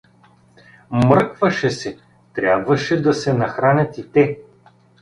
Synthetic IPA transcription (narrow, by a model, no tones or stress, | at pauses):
mɾɤkvɐʃɛsɛ | t̪ɾʲabvɐʃɛd̪ɐsɛnɐxɾanʲɐt̪it̪ɛ